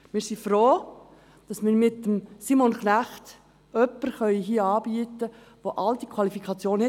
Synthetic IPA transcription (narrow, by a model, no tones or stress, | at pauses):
mɪːɾsifɾoː | d̥ɑsmɪːɾmɪtːəmsimonχnæχt | œpːəɾχœʏɦiːəɑːb̥iːətə | ʋoʔɑld̪ikʰwɑlifikʰɑt͡sjoːnhɛ